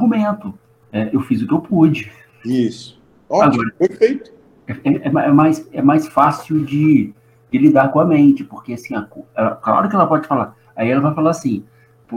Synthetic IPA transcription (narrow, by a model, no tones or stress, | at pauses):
aɡumẽnt̪ʊ | ɛewfizʊkɪewpud͡ʒɪ | isʊ̥ | ɔaɡɔɾɐpeɾfejt̪ʊ̥ | ɛɛɛmɛmajsɛmajsfasiwd͡ʒɪ | d͡ʒɪlid̪aɾkõɐmẽnt͡ʃɪpoɾkeasĩakoɛlɐkla̰ɾʊkɪɛlɐpɔd͡ʒɪfalaɾ | aiɛlɐvajfalaɾasĩ | p